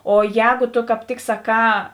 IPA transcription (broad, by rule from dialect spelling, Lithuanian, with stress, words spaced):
oː ˈjɛːɡoː toː kɑːp ˈtʲɪk sɐˈkɑː